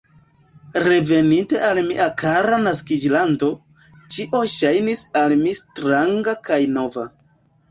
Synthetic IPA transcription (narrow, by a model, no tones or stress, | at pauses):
ɾe̞ve̞ninte̞almiʔakaɾanaskid͡ʒlando̞ | t͡ʃiʔo̞ʃajnisalmistɾaŋɡakajno̞va